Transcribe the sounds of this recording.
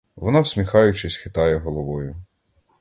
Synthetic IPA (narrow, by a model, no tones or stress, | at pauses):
ʋɔnɑwsʲmʲixɑjʊt͡ʃɪsʲxɪt̪ɑjɛɦɔlˠɔʋɔjʊ